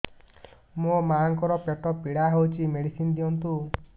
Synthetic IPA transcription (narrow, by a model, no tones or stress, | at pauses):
momaaŋkɔɾɔpeʈɔpiɽaɦewt͡ʃʰimeɽisind̪iɔnt̪u